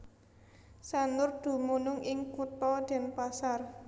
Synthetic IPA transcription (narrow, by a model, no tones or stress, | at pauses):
sanʊrd̪̥ṳmunʊŋʔɪŋkut̪ɔd̪̥ɛ̤npasar